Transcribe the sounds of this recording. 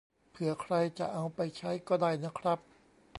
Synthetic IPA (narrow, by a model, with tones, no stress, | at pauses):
pʰɯ˩˦ɐkʰɾa˧jt͡ɕa̰˨˩ʔa˧wpa˧jt͡ɕʰa˦˥jkɔː˥˩daː˧˩jna˦˥˩kʰɾa˦˥p̚